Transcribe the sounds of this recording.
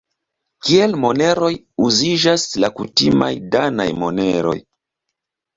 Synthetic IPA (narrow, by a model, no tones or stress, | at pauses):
kielmo̞ne̞ɾo̞j | uzid͡ʒaslakutima̰jdana̰jmo̞neɾo̞̰j